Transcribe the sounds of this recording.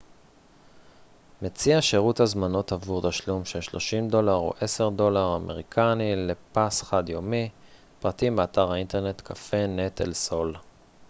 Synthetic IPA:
met͡siaʃeʁuthazmano̞tavuʁtaʃlumʃeʃlo̞ʃimdo̞laʁo̰ʔe̞se̞ʁdo̞laʁameʁ̞ikʰanile̞pasχadjo̞mi | pʁatimbeataʁhainteʁne̞t̪kʰafe̞netʰḛlso̞l

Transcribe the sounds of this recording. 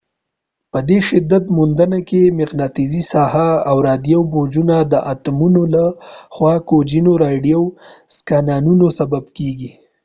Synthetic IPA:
pəd̪eʃɪd̪ːat̪mund̪ənakemɪqnɑt̪izisɑhaːwɾɑd̪jawbod͡ʒunad̪əʔat̪munolaxwɑkod͡ʒinoɾɑɖijawskɑnɑnunosababkeɡi

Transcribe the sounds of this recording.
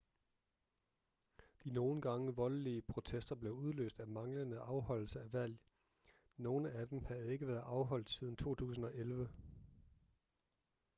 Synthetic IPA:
d̥ino̝ːn̩ɡ̥ɑ̈ŋəʋɒ̽lliəpʰʁo̝t͡sʰesd̥ɐb̥le̝ʊuð̞ˠlø̰ːsd̥æmɑ̈ŋlənəʔɑ̈ʊhɒ̽l̰l̩səæʋæl̰ | no̝ːnəæd̥emhæð̩ˠe̝ɡ̥əʋæːɐð̩ˠʔɑ̈ʊɦɒ̽l̰d̥sið̞ˠn̩t͡sʰo̝̰ːt͡sʰṵːs̬n̩ɒ̽ʔelʋə

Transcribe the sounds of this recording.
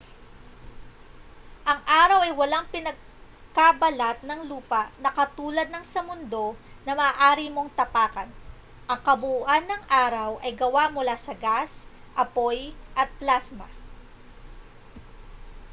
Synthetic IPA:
ʔɐŋʔaːɾɐwɐjwɐlaŋpɪnɐɡ̚ | kabɐlat̪̚nɐŋluːpɐʔnɐkɐt̪uːlɐd̪̚nɐŋsɐmʊnd̪o̞nɐmɐːʔaːɾimo̞ŋt̪ɐpaːkɐn | ʔɐŋkɐbʊʔuʔanːɐŋʔaːɾɐwʔɐjɡɐwaʔmʊlaːsɐɡas | ʔɐpo̞jʔɐt̪̚plasmɐ̰

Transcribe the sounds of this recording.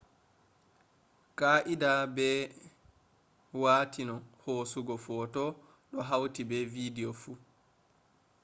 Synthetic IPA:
kaʔidabɛ | waːtinɔhoːsuɡɔfɔːtɔ | ɗɔɦawtibɛvidiɔfuː

